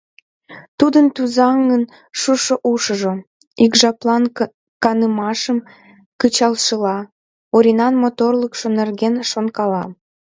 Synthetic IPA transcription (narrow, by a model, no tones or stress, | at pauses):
t̪ud̪ənt̪uzɑŋən | ʃuʃoʔuʃəʒo | ikʒɑplɑn | kɑnəmɑʃəm | kət͡ɕɑlʃəlɑ | oɾʲinɑnmot̪orləkʃonerɣenʃonkɑlɑ